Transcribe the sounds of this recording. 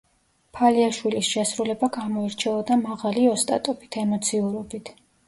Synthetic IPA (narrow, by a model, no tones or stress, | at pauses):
pʰaliaʃwilisʃɛsɾulɛbaɡamɔiɾt͡ʃʰɛɔd̪amaʁaliɔst̪ʼa̰t̪ʼɔbit̪ʰɛmɔt̪sʰiuɾɔbit̪ʰ